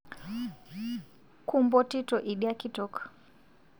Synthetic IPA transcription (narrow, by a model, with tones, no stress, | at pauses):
ku˦mbɔ˦ti˦tɔ˨ʔi˨ɗi˦a˦ki˦tɔ˦k